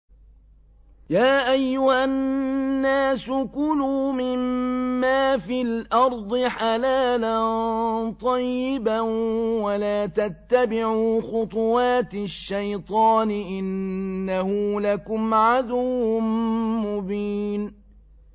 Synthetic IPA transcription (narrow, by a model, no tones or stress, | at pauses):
jaːʔajːʊhannːaːsʊkʊluːmɪmːaːfilʔɑɾˤd̪ˤɨħalaːlant̪ˤɑjːɪbawalaːt̪at̪ːabɪʕuuːxʊt̪ˤʊwɑːt̪ʃːajt̪ˤɑːnɪʔɪnːahʊlakʊmʕad̪ʊwʊmʊbiːn